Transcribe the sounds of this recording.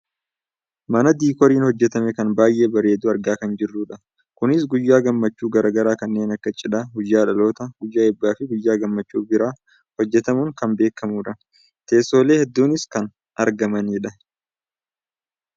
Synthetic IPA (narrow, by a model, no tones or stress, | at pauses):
mɐnɐd̪iːkɔɾiːnhɔd͡ʒːɛt̪ɐmɛkɐnbaːjʔe̞ːbɐɾe̞ːd̪uːɐɾɡaːkɐnd͡ʒɪrːuːᶑɐ | kʊnɪsɡʊjːaːɡɐmːɐt͡ʃːuːɡɐɾɐːɡɐɾaːkɐnːe̞ːnɐkːɐt͡ʃʼɪᶑɐhʊd͡ʒːaːᶑɐlo̞ːt̪ɐɡʊjːaːɪbːaːfɪɡʊjːaːɡɐmːɐt͡ʃːuːbɪɾaː | hɔd͡ʒːɛt̪ɐmʊŋkɐmbe̞ːkːɐmuːᶑɐ | t̪e̞ːsːo̞ːle̞ːhɛd̪ːuːnɪskɐn | ɐɾɡɐmɐniːᶑɐ